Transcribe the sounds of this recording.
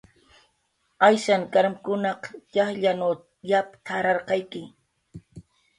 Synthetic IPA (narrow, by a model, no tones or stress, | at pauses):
ajʃaŋkaɾmkʊnɑqjɑχʎanaw | japt̪ʰaɾɑɾqɑjkɪ